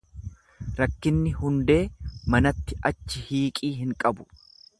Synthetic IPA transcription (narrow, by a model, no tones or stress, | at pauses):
ɾɐkːɪnːɪhʊnd̪e̞ːmɐnɐt̪ːɪʔɐt͡ʃːɪhiːkʼiːɦɪŋkʼɐbʊ̥